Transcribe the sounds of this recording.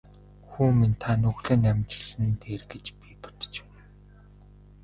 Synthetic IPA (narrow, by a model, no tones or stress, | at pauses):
xuːmint̪ʰanɵɣɮɘ̆ːnæmʲt͡ɕɪ̆ɮsɘ̆nt̪eːrɡet͡ɕpipʊ̥t̪̆t͡ɕ̆